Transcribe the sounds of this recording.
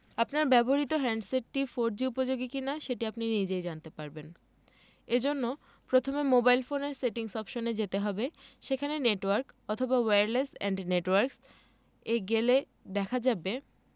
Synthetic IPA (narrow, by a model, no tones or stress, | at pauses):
apnaɾbɛboɾit̪oɦɛɳɖseʈːifoɾd͡ʑiupod͡ʑoɡikinaʃeʈiapninid͡ʑejd͡ʑant̪epaɾben | ed͡ʑonːo | pɾot̪ʰomemobajlfoneɾseʈiŋʃɔbʃoned͡ʑet̪eɦɔbeʃekʰaneneʈwaɾkɔt̪ʰobaweɾlesɛ̰ɳɖneʈwaɾks | eɡele | d̪ɛkʰad͡ʑabe